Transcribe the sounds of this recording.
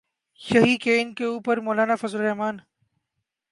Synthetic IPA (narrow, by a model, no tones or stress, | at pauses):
ʃəɦiːkeːɪnkeuːpəɾmoːlaːnaːfɐzəlɾeɦmaːn